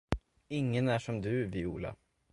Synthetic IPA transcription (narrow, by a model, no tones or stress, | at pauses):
ɪŋːənæʂɔmd̪ʉːviːuːlɑ̰